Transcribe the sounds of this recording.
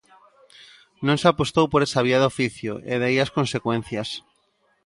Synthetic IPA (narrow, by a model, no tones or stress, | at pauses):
nõŋsapost̪owpoɾesaβ̞iaðofiθjo̰ʔḛðejaskonsekwen̟θjas